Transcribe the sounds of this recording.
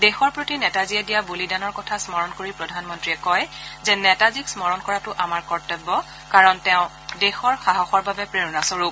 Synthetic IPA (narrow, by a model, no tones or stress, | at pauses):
dɛxɔɹpɹotinɛtaziɛdijabulidanɔɹkɔtʰasmɔɹɔnkoɹipɹɔdʱanmɔntɹijɛkɔjzɛnɛtaziksmɔɹɔnkɔɹatʊʔamaɹkɔɹtɛbːɔ | kaɹɔntɛʊ̃ | dɛxɔɹxaɦɔxɔɹbabɛpɹeʊnasɔɹup